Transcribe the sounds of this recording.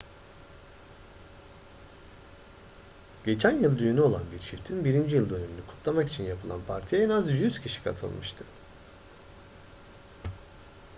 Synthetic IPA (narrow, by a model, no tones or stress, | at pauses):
ɟ̥e̞t͡ʃʰænjɯlˠd̪yjynyo̞lˠanbiɾʃift̪ʰinbiɾind͡ʒijɯlˠd̪ø̞ne̞minykʰu̥t̪ʰlˠamaki̥t͡ʃʰinjapʰɯlˠa̰npʰaɾt̪ʰijaenazjyz̥cʰiʃi̥kʰa̰t̪ʰɯ̰lˠmɯʃt̪ʰɯ̥